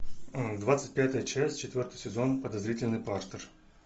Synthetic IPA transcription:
d̪vat̪sɨ̥t̚ʲpʲat̪əjət͡ɕæsʲt͡ɕɪt̪vʲo̞rt̪əjsʲɪzo̞npəd̪ɐzɾʲitʲɪlʲnɨjpart̪ər

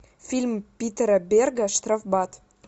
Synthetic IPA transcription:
fʲilʲmpʲit̪ɾəbʲerɡɑʃt̪rafbɑt̪

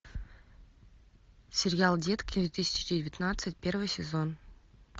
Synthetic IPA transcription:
sʲerʲjalˠdʲet̪kd̪vʲet̪ɨsʲɪ̥t͡ɕɪdʲɪdʲɪvʲɪt̪nat̪sɨt̚ʲpʲe̞rvɨjsʲɪzon

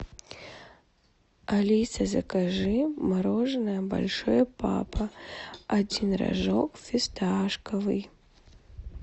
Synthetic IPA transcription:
alʲijsɐzɐkaʐɨmaɾɔʐnɐjɐba̰lʲʂɔjɛpa̰pɐad͡zʲinra̰ʐokfʲɪst̪aʂkɐvɨj

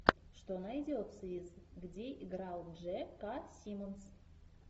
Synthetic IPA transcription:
ʂt̪onɑidʲeot̪sɨizɡdʲeʔiɡrɑlˠnʒekɑsʲimons

